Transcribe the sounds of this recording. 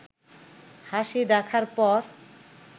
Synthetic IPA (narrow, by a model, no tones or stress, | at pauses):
haʃid̪ɛkʰaɾpɔɾ